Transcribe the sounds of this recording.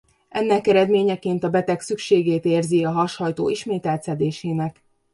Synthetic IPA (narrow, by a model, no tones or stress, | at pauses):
ɛnːɛkɛɾɛd̪meːɲɛkeːnt̪ɒbɛt̪ɛksykʃeːɡeːt̪eːrziɒɦɒʃhɒjt̪oːʔiʃmeːt̪ɛlt̪sɛd̪eːʃeːnɛk